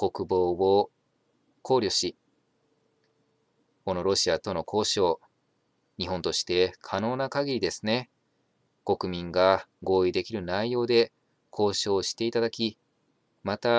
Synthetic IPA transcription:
ko̞kɯ̟bo̞ːβo | kʰo̞ːɾʲjo̞ɕi | ko̞no̞ɾo̞ɕiat̪o̞no̞kʰo̞ːɕo̞ː | ɲ̟iɦõ̞nt̪o̞ɕi̥t̪e̞kʰano̞ːnakaɡʲiɾʲid̪e̞sɨne̞ | ko̞kɯ̟mʲĩŋɡaɡo̞ːid̪e̞kʲiɾɯ̟naijo̞ːd̪e̞ | kʰo̞ːɕo̞ːɕi̥t̪e̞it̪ad̪akʲi | mat̪a

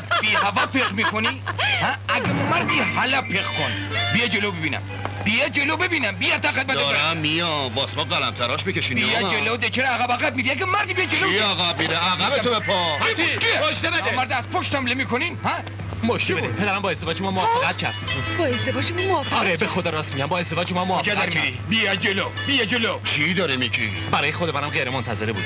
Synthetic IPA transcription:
b̥iːɦævæpʰeʁmiːkʰonihæʔæɡemæɾd̪iɦælæpːeqkʰonbijɛd͡ʒelobebiːnæ̰m | b̥ijɛd͡ʒelobebiːnæmbijæt̪ːæɣæd̪̚mætd̪eɾaːijɒbɒːsmɔʁælæ̰mt̪ʰæɾɒʃbekeʃiːbijɛd͡ʒelod̪et͡ʃʰeɾɛæɣæbæɣæb̚miːɾiæɡæmæɾd̪ibijɛd͡ʒeloæɣæbmid̪eæɣæbeobepʰɔiit͡ʃiboʃt̪ebeemæɾd̪ɛæzpʰoʃt̪æmlemiːkʰoninhæ | moʃt̪ebeupʰed̪æɾæmbɒːezd̪eɒːd͡ʒemɔmofeʁæt̪̚cʰæ̰ɾd̪bɒːezd̪evɒːd͡ʒemumofeɒɾebexod̪ɒːɾɒsmiɟæmbɒːe̞zd̪e̞vɒːd͡ʒʃomɑmofæd̪æɾiɾi | bijæd͡ʒelo | bijæd͡ʒelot͡ʃʰid̪ɒɾemiḭ | bæɾɒːjexod̪emænæmʁeɾemont̪ʰæzeɾebṵːd̪̥

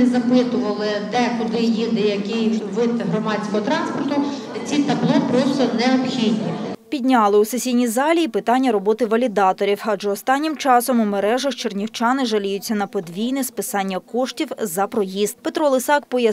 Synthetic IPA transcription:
zɐpɪt̪ʊʋɐlˠɪd̪ɛkʊd̪ɪjid̪ɪjɐkɪjʋɪt̪ɦɾɔmɑt͡sʲsʲkɔɦɔt̪ɾɑnspɔrt̪ʊ | t͡sʲit̪ɐblˠɔpɾɔst̪ɔnɛɔpxʲid̪ʲnʲipʲidʲnʲɑlˠɪusesʲijnʲizɑlʲiːpɪt̪ɑnʲːɐɾɔbɔt̪ɪʋɐlʲid̪ɑt̪ɔɾʲiwɐʒɛɔst̪ɑnʲːɪmt͡ʃɑsɔmʊmeɾɛʒɐxt͡ʃernʲiwt͡ʃɑnɪʒɐlʲijʊt͡sʲːɐnɐpɔd̪ʋʲijnɪspɪsɑnʲːɐkɔʃtʲiwzɐpɾɔjizt̪̚pet̪ɾɔlˠɪsɑkpɔjɐ

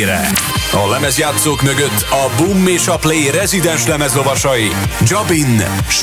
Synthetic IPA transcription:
ɾɛ̰ɒlɛmɛzjaːt̪soːkmøɡøt̪ːɒbumːeːʃɒpleːjɾɛzid̪ɛnʃlɛmɛzlo̞vɒʃɒji | d͡ʒɒbinʃ

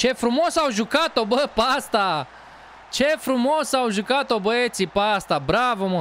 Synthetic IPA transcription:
t͡ʃefɾumosawʒukat̪obəpast̪a | t͡ʃefɾumosawʒukat̪obəet̪sipast̪abɾavomo

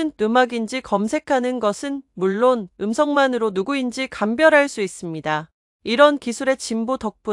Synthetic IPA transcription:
ɯnːɯmaɡind͡ʑikʌmsʰe̞kʰanɯnɡʌsʰɯnmuɭːonɯmsʰʌŋmanɯɾonuɡuind͡ʑikambjʌɾɦaɭs͈uis͈ɯmɲida | iɾʌnkisʰuɾe̞t͡ɕimbotʌk̚p͈u

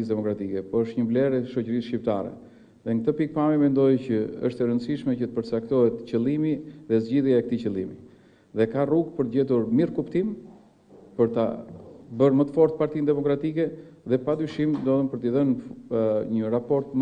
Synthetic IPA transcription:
is̬d̪ɛmɔkɾat̪ikɛpɔəʃt̪ɲəvlɛɾɛʃɔcəɾisʃcip̚t̪a̰ɾɛ̰ | ðɛŋkət̪əpik̚pamimɛnd̪ɔjcəə̰ʃt̪ɛɾənd̪siʃmɛcət̪əpəɾt͡sak̚t̪ɔɛt̪cəlˠimiðɛzɟiðjaɛk̚t̪it͡ɕəlˠimi | ðɛkaruɡ̚pəɾt̪əɟɛt̪̬uɾmiɾkupt̪im | pəɾt̪abəɾmət̪əfɔɾt̪̚paɾt̪ind̪ɛmɔkɾat̪ikɛ | ðɛpad̪yʃimd̪ɔðəmpəɾt̪iðən | ɲərapɔɾt̪̚mə

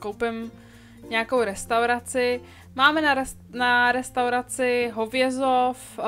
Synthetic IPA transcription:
kowpɪm | ɲɛakowɾɛst̪awɾat͡sɪ | maːmɛna | naɾɛst̪awɾat͡sɪɦovjɛzof

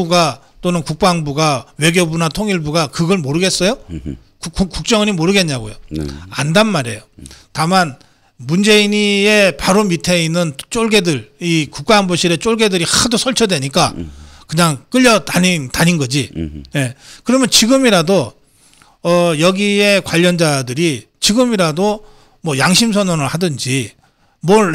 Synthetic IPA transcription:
uɡa | t͈onɯnkuk̚p͈aŋbuɡawe̞ɡjobunatʰoŋiɭbuɡakɯɡʌɭmoɾɯɡe̞s͈ʌjo | kkuk͈ːuk̚t͡ɕ͈ʌŋɯɲimoɾɯɡe̞ɲɲaɡojo̰andanmaɾe̞̰jotaman | mund͡ʑe̞iɲiepaɾomitʰe̞inːɯnt͡ɕ͈oɭɡe̞dɯɭikuk̚k͈aːnboɕʰiɾe̞t͡ɕ͈oɭɡe̞dɯɾixadosʰʌɭt͡ɕʰʌdwe̞ɲik͈akɯɲaŋk͈ɯʎːʌtanintaɲinɡʌd͡ʑine̞kɯɾʌmjʌnt͡ɕiɡɯmiɾado | ʌjʌɡie̞kwaʎːʌnd͡ʑadɯɾi | t͡ɕiɡɯmiɾado | mwʌjaŋɕʰims̬ʰʌnonɯɭhadɯnd͡ʑi | mwʌ

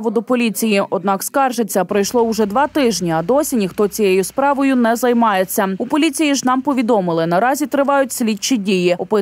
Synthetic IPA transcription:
ʋʊd̪ʊpɔlʲit͡sʲijiʔɔd̪nɑkskɑrʒet͡sʲːɐpɾɔjʃlˠɔʊʒɛd̪ʋɑt̪ɪʒnʲiɐd̪ɔsʲinʲixt̪ɔt͡sʲijejʊspɾɑʋɔjʊnɛzɐjmɑje̞t͡sʲːɐʊpɔlʲit͡sʲijiʒnɑmpɔʋʲid̪ɔmɪlˠɪnɐɾɑzʲit̪ɾɪʋɑjʊt̚ʲsʲlʲit͡ʃɪdʲijiɔpɪ

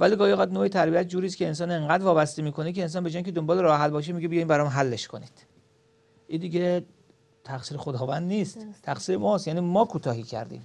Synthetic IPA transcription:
væliːɡɒːjɣæd̪noːet̪ʰæɾbiæt̪̚ʰd͡ʒuːɾiːskʰʲeːns̬ɒːne̞ŋɢæːd̪vɒːbæst̪emiːkʰonicʰeːns̬ɒːnbe̞d͡ʒɒːjikcʰeombɒːleɾɒːɦælbɒːʃ̬emiɟebijɒjmbæɾɒmmɦælːe̞ʃkʰo̞niːd̪̥ | ʔid̪iːɟe | t̪ʰæxsiːɾexod̪ɒːvænd̪niːst̪t̪ʰæxsiːɾemɒːst̪jæːniːmɒːkʰuːt̪ʰɒːhiːcʰæ̰ɾd̪ḭːm

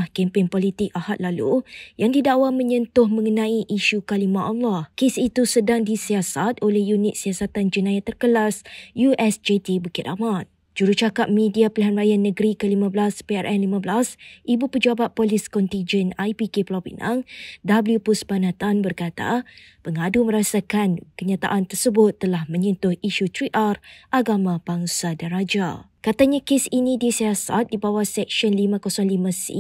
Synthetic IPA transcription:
hkɛmpɪŋpolit̪ɪk̚ahat̪̚lalṵjaŋd̪idawamə̃ɲənt̪ʊhmə̃ŋənãiʔiʃukalimãʔɔlːahkesit̪usədaŋdisiasat̪̚olɛhjunɪt̪̚siasat̪and͡ʒənãjat̪ːərkəlasjuʔɛsd͡ʒet̪ibəkɪt̪aman | d͡ʒuɾut͡ʃakap̚mĩdiapəliɦanrajanːə̃ɡɾikəlimãblaspeɛrʔɛnlimãblasʔibupəd͡ʒabat̪̚pɔliskɔnt̪iɲd͡ʒənajpikeplɔbḭnã̰ŋdabliupusbanãt̪anbərkat̪a̰ | pəŋadumə̃ɾasakankəɲãt̪a̰ʔant̪ərsəbʊt̪ːəlahmə̃ɲunt̪ʊhiʃut̪ɾiʔarʔaɡamãb̥aŋsadanɾad͡ʒakat̪aɲãkesinĩdisiasa̰t̪̚dibawasɛk̚ʃɔnlimãkɔsɔŋlimãsḭ

